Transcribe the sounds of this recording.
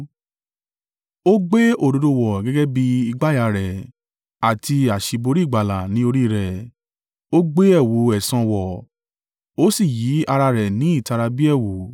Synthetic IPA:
o˦ɡ͡be˦o˦˨do˨˧do˨˧wɔ˨ɡɛ˦ɡɛ˦bi˧i˧ɡ͡ba˦ja˧ɾɛ˨ | a˨ti˧a˨ʃi˨˧bo˧ɾi˦˨ɡ͡ba˨la˨nĩ˨˦o˧ɾi˦˨ɾɛ˨ | o˦ɡ͡be˦ɛ˦˨wo˨˦ɛ˨sã˧wɔ˨ | o˦si˦˨ji˨˦a˧ɾa˧ɾɛ˨nĩ˨˦i˦˨ta˧ɾa˧bi˦ɛ˦˨wo˨˦

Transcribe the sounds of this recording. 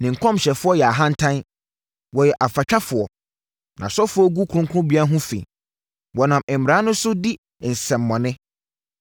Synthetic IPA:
nɪ̃˨ŋ̩˨kʰɔ̃˦mɕɛ˨fʊ˦ɔ˦jɛ˨a˨ɦã˦n̩˦tʰã˦n | wɔ˨jɛ˨ʔa˨fa˨t͡ɕʰᶣa˦fʊ˨ɔ˨ | nã̰˨sɔ˦fʊ˦ɔ˦ɡu˦kʰʊ̃˦ŋ˦kʰʊ˦ʊ̃˦bi˨˦a˦ɦʊ̃˦fḭ̃˨ | wɔ˨nã˨mɛ˨m̩˨mɪ˨ɾã˨˦nʊ̃˦sʊ˦di˦˨ | n̩˨sɛ̃˨mː˨ɔ̃˨nɪ̃˦

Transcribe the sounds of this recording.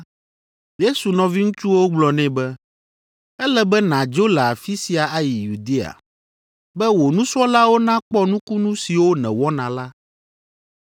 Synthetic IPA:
je˦su˨nɔ̃˨vi˦ŋũ˦t͡ʃu˦wo˦ɡ͡blɔ˨nɛ̃˦bɛ˦ | ɛ˦lɛ˦bɛ˦nã˨d͡ʒo˦lɛ˨a˨fi˦si˨a˨a˦ji˨ju˨d̪e˦a̰˨ | bɛ˦wo˨nũ˦sɔ˦la˦wo˦nã˦k͡pɔ˦nũ˦ku˦nũ˦si˨wo˦nɛ̰̃˨wɔ˦nã˨la˦

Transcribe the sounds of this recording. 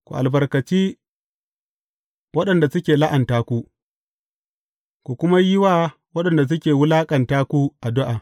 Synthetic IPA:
kʷṵ˨ʔa̰˨lbɐ˨rkɐ˨t͡ʃiː˦ | wɐ˦ɗɐ˨nda˨sʊ˦kʲeː˨la˦ʔa˨ntaː˦kʷu˦ | kʷu˨kʷʊ˦ma˦jɪ˦waː˦ | wɐ˦ɗɐ˨nda˨s̬ʊ˦kʲeː˨wʊ˦laː˦kʼɐ˨ntaː˦kʷu˦ʔa˨dʊ˦ʔa˨

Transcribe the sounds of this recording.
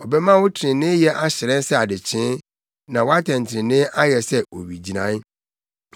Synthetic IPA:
ɔ˨bɛ˦mã˦wʊ˦tʰɪ˨ɾɪ̃˨nɪ̃˦jɛ˦ʔa˦ɕɪ˨ɾɛ̃˦n˦sɛ˦a˨dɪ˨t͡ɕʰɪ̃˦ | nã˨wɔ˦a˦tʰɛ̃˨ntʰɪ˨ɾɪ̃˨nɪ̃˦ʔa˦jɛ˨sɛ˦o̰˨ɥi˨d͡ʑi˨nã̰˦n˦

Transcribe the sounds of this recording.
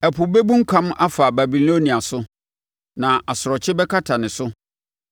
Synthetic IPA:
ɛ˨pʰʊ˨be˦bũ˦ŋ̩˦kʰã˦ma˦fa˨ba˨bi˨lo˦nĩ˨a˨sʊ˦ | nã˨ʔa˨sʊ˨ɾɔ˨t͡ɕʰɪ˦bɛ˦kʰa˦tʰa˨nɪ̃˨sʊ˦

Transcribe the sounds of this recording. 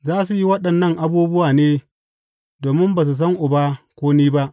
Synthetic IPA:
zaː˦su˨ji˦wɐ˦ɗɐ˨nːɐ˦ŋʔa˦buː˦bʊ˦waː˨neː˦ | doː˨mɪ˦mbaː˨s̬u˨s̬ɐ˦ŋʔʊ˨ba˦kʷoː˦niː˦ba˦ʔ

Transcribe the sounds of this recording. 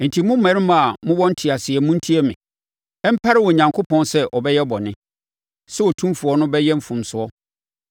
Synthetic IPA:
n̩˨tʰi˨mʊ̃˦mæ̃˨ɾɪ̃˦ma˨mʊ̃˦wɔ̃˦n̩˦tʰɪ˨a˨sɪ˨ɛ˨mʊ̃˦n̩˦tʰi˦ɛ˦mɪ̃˨ | ɛ˦m̩˦pʰa˦ɾɪ˦wɔ˨ɲã˨ŋkʰo˦pʰɔ̃˦nsɛ˦ʔɔ˨bɛ˦jɛ˦bɔ˨nɪ̃˦ | sɛ˦ɔ˨tʰũ˦mfu˨ɔ˦nʊ̃˦bɛ˦jɛ˦m̩˦fʊ̃˨msʊ˨˦ɔ˦

